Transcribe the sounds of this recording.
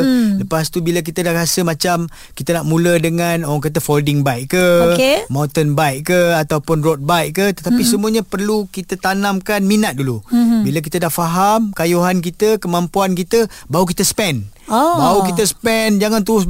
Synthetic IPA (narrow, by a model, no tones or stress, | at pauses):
ləpast̪ubilək̬it̪ədahɾasəmãt͡ʃam | kit̪ənaʔmũlədəŋanoɾaŋk̬at̪̬əfoldɪŋbaiʔkəemawnt̪ənbaiʔkəat̪awpʊnrot̪̚bajʔkːət̪ət̪apisəmuaɲapərlukit̪ət̪anãmkanminat̪̚dulubilak̬it̪ədahfaɦamkajuɦank̬it̪əkəmampuankit̪əbauk̬it̪əsə̥pɛnbaukit̪əsə̥pɛnd͡ʒaŋant̪uɾʊs̬